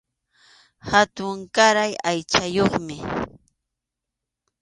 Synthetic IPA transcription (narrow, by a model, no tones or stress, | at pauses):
hat̪ʊŋkaɾajajt͡ʃajoχmɪ